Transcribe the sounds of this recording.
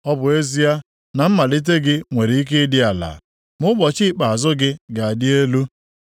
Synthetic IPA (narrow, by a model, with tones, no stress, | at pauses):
ɔ˦bʊ˨e˦zi˦a˦ | na˨m̩˦ma˨li˦t̬e˦ɡɪ˦ŋʷe˨ɾe˨i˦k̬e˦dɪ˦a˨la̰˨ | mʊ˦ɡ͡bɔ˨t͡ʃɪ˦˨k͡pa˨a˨zʊ˦ɡɪ˦ɡa˨a˨dɪ˦e˦lu˦